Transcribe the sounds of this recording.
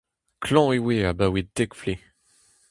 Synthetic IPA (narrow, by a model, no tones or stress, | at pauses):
kʰlɑ̃iwiabawid̪ɛkfli